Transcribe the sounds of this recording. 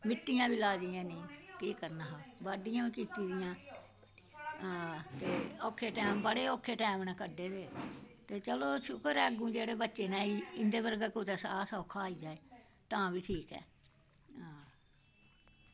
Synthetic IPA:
mɪʈ̪ːijãːbiːlaːd͡ʒijãːnĩːkiːkəɾnaːɦãːbaːɖɪjãːbiːkiːt̪iːd̪ɪjãː | aːt̪eːɔːkʰːeːʈɛːmbəɽeːoːkʰːeːʈɛːmnɛːkəɖeːd̪eːt̪eːt͡ʃəloːʃʊkəɾɛːɡũːd͡ʒeːɽeːbətːʃeːnɛ̃ːiɪnd̪eːbəɾɡaːkot̪ɛːsaːsɔːkʰaːiːd͡ʒaːeː | t̪ãːʋiːʈʰiːkɛ̰ː | aː

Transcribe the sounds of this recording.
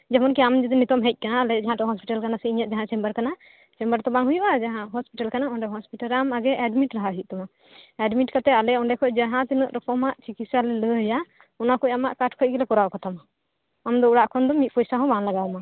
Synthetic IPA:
d͡ʒɛmɔnkɛamd͡ʒɛd̪ɔnit̪ɔmɦɛc̚ˀkanaːlɛd͡ʒaɦãʈɔɦɔspiʈalkanasɛiɲat̪̚ˀd͡ʒaɦãt͡ʃɛmbəɾkana | t͡ʃɛ̃mbəɾt̪ɔbaŋɦujuʔad͡ʒaɦãɦɔspiʈalkanaɔɳɖɛɦɔspiʈalɾamaɡɛʔɛɖmiʈɾaɦaɦic̪̚t̪ɔma | ɛɖmiʈkat̪ɛalɛɔɳɖɛkʰɔcd͡ʒaɦãt̪inəʔɾɛkɔmaʔt͡ʃikisalɛləja | ɔnakɔɔcamaʔkaʈkʰɔɡɛlɛkɔɾawkat̪ʰamaː | md̪ɔuɽaʔkʰɔnd̪ɔmit̪̚pɔjsaɦɔ̃banlaɡawma

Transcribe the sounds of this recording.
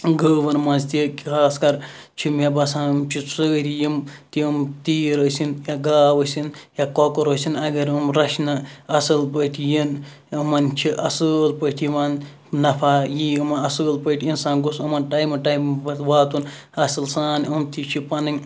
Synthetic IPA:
ɡəːʋɐnmɐnzt̪ikkʰaːskɐɾt͡ʃʰimjabɐsãːnmt͡ʃʰisəːɾijimt̪iəmt̪iːɾɐːsinjaɡaːʋɐsinjakokɐɾoːsʲinɐɡɐɾɐmɾɐʃnɐɐsɨlpəʈʰijin | əmɐnt͡ʃʰiʔɐsəlpəʈʰiman | nɐpʰaːjiːɨmɐnɐsəːlpəʈʰʲiinsãːnɡusɐmɐnʈajmɐʈajmbɐt̪ʋaːt̪un | ɐsɨlsaːnɐmt̪ʰit͡ʃʰipɐnɐŋʲ

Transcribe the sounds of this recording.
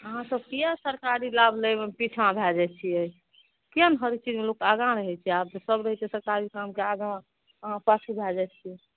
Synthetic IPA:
əɦãsəb̚kijasəɾkaɾilabʱləmepit͡ʃʰãbʱɛd͡ʒɛt͡ʃʰiɛi | kiənɦəɾit͡ʃʰid͡ʒmelokaɡãɾəɦɛt͡ʃʰiabt̪səbɾəɦɛt̪esəɾkaɾikamkeaɡã | əɦãsasibʱɛd͡ʒɛt͡ʃʰiɛ

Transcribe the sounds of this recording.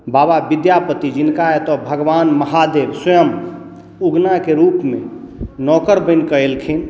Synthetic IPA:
bababid̪japət̪id͡ʒinkaet̪ɔbʱəɡʋanməɦad̪ebsəjəm | uɡnakeɾupmenɔkəɾbəɪnkəelkʰin

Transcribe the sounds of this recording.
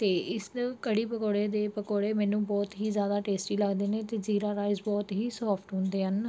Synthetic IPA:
t̪eːʔɪskəɽiːpəkoːɽeːd̪eːpəkoːɽeːmɛ̃ːnũːbɔːt̪ɦiːzjaːd̪aːʈeːsʈiːləɡd̪eːnẽːt̪eːziːɾaːɾaːɪzbɔːt̪ɦiːsɔːpʰʈɦʊ̃nd̪eːɦən

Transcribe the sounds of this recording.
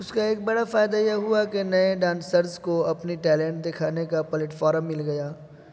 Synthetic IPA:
ʊskaeːk̚bɐɽafaːɪd̪ajɛɦʊakenɐeɖãːnsəɾzkoɐpniʈɛːlɛ̃ːɳʈd̪ekʰaːnekapɐlɪʈfaːɾəmːɪlɡɐjaː

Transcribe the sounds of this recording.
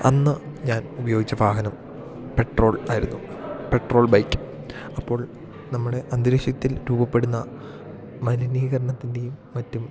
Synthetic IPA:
ɐnːɨɲaːnubɐjo̞ːɡit͡ɕːɐbʱaːɡɐnɐm | pe̞ʈro̞ːɭaːjiɾunːupe̞ʈro̞ːɭbɐjkːɨ̥ | ɐpːo̞ːɭ | nɐmːuɽe̞ʔɐnd̪ɾeʂjɐt̪ːilɾuːbɐpːe̞ɽunːɐ | mɐnɐniːɣɐɾɐɳɐt̪ːinde̞jumːɐtːum

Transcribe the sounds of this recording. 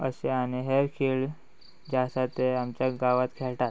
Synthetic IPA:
əseañiɦeɾkʰeɭ | d͡ʑasat̪eamt͡ɕjaɡaʋat̪kʰeɭʈ̪at̪̚

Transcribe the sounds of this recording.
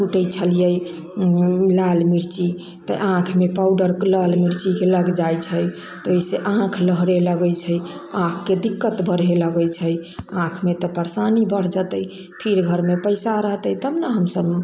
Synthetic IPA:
puʈəjt͡ʃʰəlijəj | lalmiɾt͡ʃi | t̪ə̰ʔãkʰmepawɖəɾlalmiɾt͡ʃikeləɡd͡ʒajt͡ʃʰəj | t̪oiseʔãkʰləɦɾeləɡəjt͡ʃʰəjãkʰːed̪ikːət̪bəɽeləɡəjt͡ʃʰəjãkʰmet̪ɔpəɾsanibəɽ̤d͡ʒət̪əj | pʰiɾɡʱəɾmepəjsaɾəɦt̪əjt̪əbnaɦəmsəb

